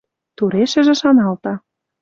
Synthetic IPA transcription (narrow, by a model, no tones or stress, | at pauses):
t̪uɾeʃə̆ʒĕʃɑnɑlt̪ɑ